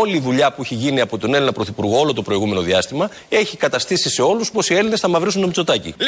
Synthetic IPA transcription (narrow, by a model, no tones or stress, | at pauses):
oliðuʎɐpueçiʝiniɐpo̞t̪o̞nelinɐpɾo̞θipuɾɣo̞o̞lo̞t̪o̞pɾo̞iɣume̞no̞ðiɐst̪imɐ | e̞çikɐt̪ɐst̪isise̞o̞luspo̞sie̞line̞sθɐmɐvɾisunt̪omt͡so̞t̪ɐcḭ